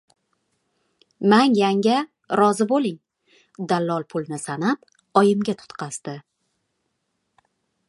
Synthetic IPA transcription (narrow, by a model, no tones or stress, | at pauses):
manjaŋɡʲa | ɾɒzɪbolˠɪŋ | d̪alˠːɒlˠpʰʊlˠnɪsanap̚ | ɒjɪmɡʲat̪ʰʊ̥t̪qʰɑsd̪̥ɪ